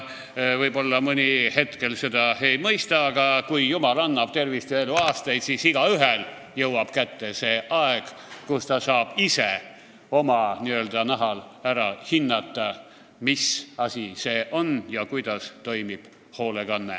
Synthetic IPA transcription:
vɤjbo̞lːɑmɤnʲihe̞t̪ke̞lse̞d̪̥ɑe̞jmɤjst̪ɑːɡ̥ɑkujjumɑlɑnːɑb̥t̪e̞rvist̪ieluɑːst̪ɑjd̪̥siːsiɡ̥ɑyɦel | jɤwɑb̥kæt̪ːe̞se̞ːʔɑeɡ̥kust̪ɑsɑːb̥ise | o̞mɑniøld̪̥ɑnæɦɑlæɾɑhinːɑt̪ːˑɑ | misɑsʲise̞ːʔo̞njɑkujd̪̥ɑst̪o̞jmib̥ | ho̞ːleɡ̥ɑnːḛ

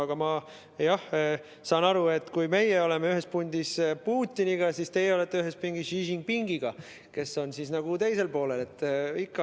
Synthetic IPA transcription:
ɑɡ̥ɑmɑ | jɑh | sɑːnɑɾue̞t̪ːˑkujme̞jeo̞lemeyɦe̞spunʲd̪̥ispuːt̪ʲːiniɡ̥ɑsist̪e̞jeo̞let̪ˑːeyɦe̞spiŋɡisiʒiŋɡ̥̚piŋɡ̥iɡ̥ɑ | ke̞so̞nsisnɑɡ̥ut̪e̞jse̞lpo̞ːle̞le̞t̪ːˑikːɑ

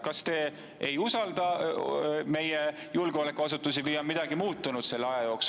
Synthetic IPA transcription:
kɑst̪e̞ː | ejusɑld̪̥ɑ | me̞je | julɡ̥eo̞le̞kːˑuɑs̬ut̪ːˑus̬ivijɑmid̪̥ɑɡimuːt̪ːˑunud̪̥se̞lːeɑjɑjo̞ːks

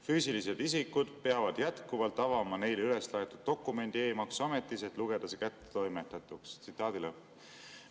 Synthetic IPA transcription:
fyːsilise̞d̪̥isikud̪̥peɑvɑd̪̥jæt̪kuvɑlt̪ːˑɑvɑmɑne̞jlyle̞slɑet̪ud̪̚ːo̞kːˑume̞nʲd̪̥ie̞ːmɑksome̞t̪ːˑise̞t̪ˑluɡe̞d̪̥ɑsekæt̪ːe̥t̪o̞jmet̪ːɑt̪ːˑukst̪sit̪ːˑɑːd̪̥ile

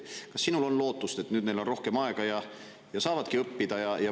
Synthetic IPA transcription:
kɑsːinulo̞nlo̞ːt̪ːˑust̪e̞t̪ːˑnyːd̪nelo̞nro̞hke̞mɑe̞ɡ̥ɑjɑ | jɑsɑːvɑd̪̥kiɤpːid̪̥ɑjɑjɑ

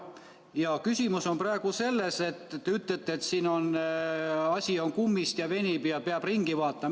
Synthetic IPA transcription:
jɑkysʲimuso̞mprɑe̞ɡ̥use̞lːese̞t̪ːt̪ːeyt̪ˑlet̪ːeeːt̪siːno̞n | ɑsʲio̞nkumːist̪jɑve̞nʲibjɑpeɑb̥riŋɡ̥ivɑːt̪ːˑɑm

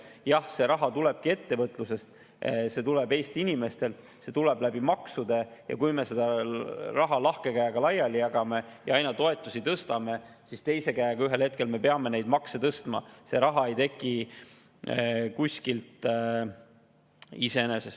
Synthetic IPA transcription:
jɑhse̞ɾɑɦɑt̪ule̞b̥̚kie̞t̪ːe̞vɤt̪ːˑluse̞st̪ | se̞t̪ulebe̞ːst̪iinime̞st̪e̞lt̪ | se̞t̪ule̞blæb̥imɑksud̪e̞jɑ̰kujme̞se̞d̪ɑrɑɦɑlɑhke̞kæjɑɡ̥ɑlɑjːɑlːijɑɡ̥ɑme̞jɑɑjnɑt̪o̞e̞t̪ːˑusit̪ɤst̪ɑme̞ | sist̪e̞jse̞kæjɑɡ̥ɑyɦe̞lhe̞t̪̚ke̞lme̞pe̞ɑme̞ne̞jd̪mɑkset̪ɤst̪mɑ̰se̞ɾɑɦɑe̞jt̪e̞kːˑi | kusʲkilt̪ | ise̞enesest̪

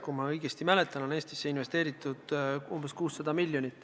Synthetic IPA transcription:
kumɑɤjɡ̥e̞st̪imælet̪ːˑɑno̞ne̞ːst̪i̥sːeinve̞st̪e̞ːɾit̪ːˑud̪̥umb̥e̞skuːsːɑd̪̥ɑmilʲːjo̞nit̪ːˑ

